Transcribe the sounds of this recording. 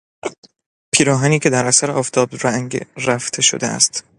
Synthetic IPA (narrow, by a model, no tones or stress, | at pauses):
pʰiːɾɒːɦæniːcʰe̞d̪æɾʔæsæɾeʔɒːft̪ʰɒːbɾæŋɡɾæft̪ʰe̞ʃo̰d̪ḛæ̰st̪